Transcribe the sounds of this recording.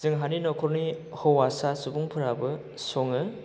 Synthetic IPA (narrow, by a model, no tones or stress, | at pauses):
z̥ɯŋɦaninɔkʰɔɾni | hɔwwasasubuŋpʰɯɾabɯ | sɔŋɯ